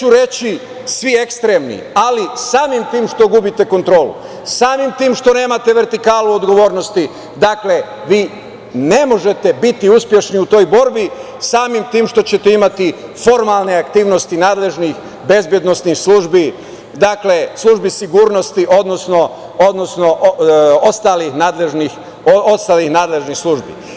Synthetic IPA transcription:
uɾe̞t͡ɕi | sʋiekst̪ɾemnḭalisaːmimt̪iːmʃt̪o̞ɡubit̪e̞ko̞nt̪ɾo̞ːlṵ | saːmimt̪iːmʃt̪o̞ne̞ːmat̪e̞ʋe̞ɾt̪ikaːluod̪ɡo̞ʋo̞ːɾno̞st̪i | d̪akle̞ | ʋiː | ne̞mo̞ʒe̞t̪e̞bit̪iuspje̞ʃniut̪o̞ːjbo̞ɾbi | saːmimt̪iːmʃt̪o̞t͡ɕe̞t̪eimat̪ifo̞ɾmalne̞akt̪iːʋno̞st̪inaːd̪le̞ʒnix | be̞zbje̞d̪no̞snixslˠuːʒbi | d̪akle̞slˠuʒbisiɡuːɾnost̪iʔo̞d̪no̞sno̞ | od̪no̞sno̞ʔost̪aːlixnaːd̪leʒnix | oost̪aːlixnaːd̪le̞ʒnixslˠuʒbḭ

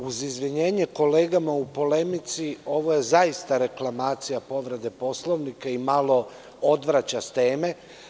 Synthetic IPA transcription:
uzizʋiɲe̞ːɲeko̞le̞ːɡamaupo̞le̞mit̪sio̞ʋo̞je̞zaist̪aɾe̞klˠamaːt̪sijapo̞ʋɾe̞d̪e̞po̞slo̞ʋnikaimalˠo̞ | o̞d̪ʋɾat͡ɕast̪e̞ːme̞

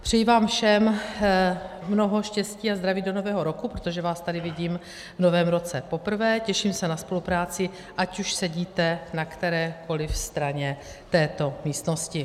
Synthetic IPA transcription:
pr̥ɛjivaːmfʃɛm | mno̞ɦo̞ʃcɛsciːazd̪ɾaviːdo̞no̞vɛːɦo̞ɾokupɾot̪o̞ʒɛvaːst̪adɪvɪɟiːm | vno̞vɛːmɾo̞t͡sɛpo̞pr̩vɛːcɛʃiːmsɛnaspo̞lupɾaːt͡sɪ | ʔacuʃsɛɟiːt̪ɛnakt̪ɛɾɛːkʰo̞lɪfst̪ɾaɲɛ | t̪ɛːt̪o̞miːst̪no̞scɪ

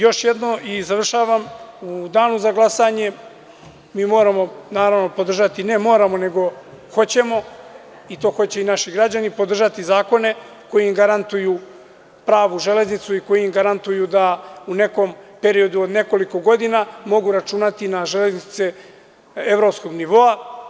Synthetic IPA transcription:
jo̞ʃje̞d̪no̞izaʋr̩ʃaːʋamud̪aːnuzaɡlˠasaɲe̞ | miːmo̞ːɾamo̞naːɾaʋno̞pod̪r̩ʒat̪ine̞mo̞ːɾamo̞ne̞ɡo̞ | xo̞t͡ɕe̞mo̞ | it̪o̞ːxo̞t͡ɕe̞inaʃiɡɾad͡ʑanipo̞d̪rʒat̪izaːko̞ne̞ | ko̞jiimɡaɾant̪uju | pɾaːʋuʒe̞le̞znit̪suiko̞jiimɡaɾant̪ujud̪aune̞ko̞mpe̞ɾio̞d̪uod̪ne̞ko̞liko̞ɡo̞d̪inaːmo̞ɡuɾat͡ʃunat̪inaʒe̞le̞znit̪se | e̞vɾo̞psko̞ɡniʋo̞a

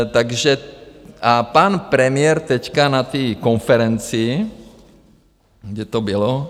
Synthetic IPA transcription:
t̪aɡʒɛ | apanpɾɛmɪɛɾt̪ɛckanat̪iːkonfɛɾɛnt͡si | ɡdɛt̪obilo

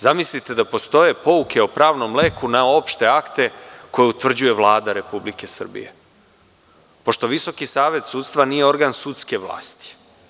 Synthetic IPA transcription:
zamislit̪e̞d̪apo̞st̪o̞je̞po̞uke̞opɾaːʋno̞mle̞kunao̞pʃt̪e̞akt̪e̞ko̞jeut̪ʋr̩d͡ʑuje̞ʋlˠaːd̪aɾe̞publike̞sr̩bḭje̞̰ | po̞ʃt̪o̞ʋiso̞kisaːʋe̞t̪suːt̪st̪ʋanijeo̞ɾɡansut̪ske̞ʋlˠa̰ːst̪i̥

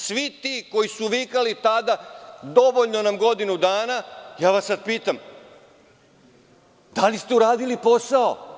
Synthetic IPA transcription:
sʋit̪iːko̞jisuʋikalit̪ad̪ad̪o̞ʋoʎno̞namɡo̞d̪inud̪aːnajaːʋasːad̪̚piːt̪am | d̪alist̪e̞uɾaːd̪ilipo̞sao

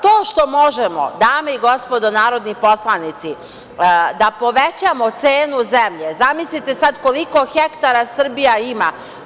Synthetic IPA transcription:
t̪o̞ːʃt̪o̞mo̞ʒemo̰d̪aːmeiɡo̞spo̞d̪o̞naːɾo̞d̪nipo̞slˠanit̪si | d̪apo̞ʋet͡ɕamo̞t̪seːnuzemʎe̞zamislit̪esad̪ko̞liko̞xe̞kt̪aɾasr̩bijaima̰

